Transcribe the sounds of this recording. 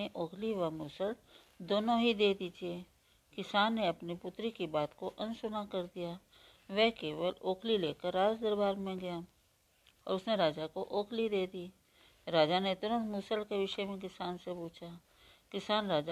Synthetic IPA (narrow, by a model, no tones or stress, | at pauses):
eʔoːkʰliʋamuːsəl | d̪oːnõɦid̪eːd̪it͡ʃie | kɪsaːnːeɐpnipʊt̪ɾikibaːt̪koʔɐ̃nsʊnakɐɾd̪ija | ʋɛɦkeːʋəloːkʰlileːkəɾːaːd͡ʒd̪əɾbaːɾmẽɡɐja | ɔːɾʊsneɾaːd͡ʒakoʔoːkʰlid̪eːd̪iː | ɾaːd͡ʒanet̪ːnõmʊːsəlkeʋɪʃəemẽk̬ɪsaːnsepuːt͡ʃʰa | kɪsaːnɾaːd͡ʒa